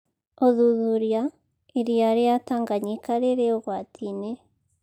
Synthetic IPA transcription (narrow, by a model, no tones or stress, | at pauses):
oðuðuɾja | eɾijaɾejataːŋɡaɲekaɾeɾeoɣwatʰine